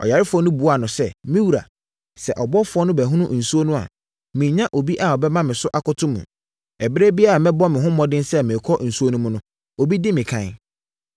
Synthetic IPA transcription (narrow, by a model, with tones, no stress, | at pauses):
ɔ̰˨ja˨ɾɪ˦fʊ˨˦ɔ˦nʊ̃˦bu˨˦a˨nʊ̃˨sɛ˦mɪ̃˦wu˨ɾa̰˨ | sɛ˨ʔɔ˨bɔ˦fʊ˨˦ɔ˦nʊ̃˦bæ˨ɦũ˦nʊ̃˦ʔn̩˨su˦o˦nũ˦a̰˨ | mɪ̃˨ɲã˦ʔo˨bi˦ʔa˨ɔ˨bɛ˦mã˦mɪ̃˨sʊ˦ʔa˨kʊ˦tʰʊ̃˦mṵ̃˨ | ɛ˨bɪ˦ɾe˦bi˦a˦a˨mɛ̃˦bɔ˦mɪ̃˨ɦʊ̃˦mːɔ̃˦dɪ̃˦nsɛ˦mɪ̃˨kʰɔ˦n̩˨su˦o˦nũ˦mũ˦nʊ̃˦ | o˨bi˦dɪ˦mɪ̃˨kʰã˦˨n